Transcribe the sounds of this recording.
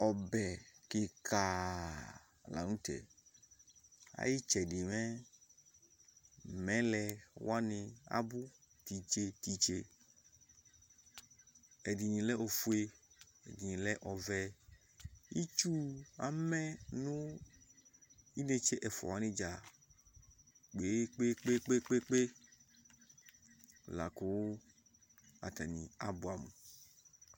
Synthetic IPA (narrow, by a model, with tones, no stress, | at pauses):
ɔ˨bɛ˨ke˨kʰa˨ | la̰˨nũ˦t̪ɛ̰˨ | a̰˦ji˦t͡ʃɛ˨ɖɪ˨mɛ̃˦ | mɛ̃˦lɛ˨wa˦nɪ̃˨a̰˦bu˦ | t̪i˨t͡ʃe˦t̪i˨t͡ʃe˦˨ | e˨di˨ɲĩ˨lɛ˦o˨fu˦e˦ | ḛ˨di˨ɲĩ˨lɛ˦ʔɔ˨vɛ˦ | i˦t͡ʃu˦a̰˨mɛ̃˦nũ˦ | i˦ne˨t͡ʃe˦ʔɛ˨fɔ̰˨a˨˦nɪ̃˦d͡ʒa˨ | k͡pe˨˦k͡pe˦k͡pe˦k͡pe˦k͡pe˦k͡pe˦˨ | la̰˨ko˨wo˦ | a̰˨t̪a˨nĩ˨a̰˨bu˦a˨mṵ̃˨